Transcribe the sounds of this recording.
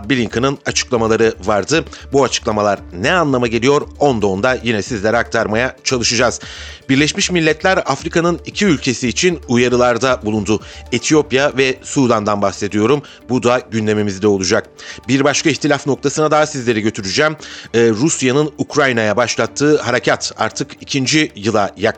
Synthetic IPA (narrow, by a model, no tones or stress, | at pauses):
bilʲiŋkʰɯnɯnat͡ʃʰɯ̥klˠamalˠaɾɯvaɾd̪ɯbuat͡ʃʰɯ̥klˠamalˠaɾnɛanlˠamaɟe̞lʲijo̞ɾo̞nd̪o̞nd̪ajinɛsizlʲɛɾak̚t̪ʰaɾmajat͡ʃʰalˠɯʃɯd͡ʒaz̥ | biɾlʲɛʃmiʃmilʲːɛt̪lʲæɾafɾikʰanɯnicʰiylʲcʰe̞siːt͡ʃʰinujaɾɯlˠaɾd̪abulˠund̪uet̪ʰijo̞pjavɛsud̪and̪anbahse̞d̪ijo̞ɾum | bud̪aɟynd̪e̞mimizd̪ɛo̞lˠud͡ʒak̚biɾbaʃkʰaiçt̪ʰilʲafno̞k̚t̪ʰasɯnad̪aɦasizlʲe̞ɾɛɟø̞t̪ʰyɾyd͡ʒæmːɾusjanɯnukɾajnajabaʃlˠat̪ʰːɯːhaɾacʰat̪a̰ɾt̪ʰɯkicʰind͡ʒijɯlˠajak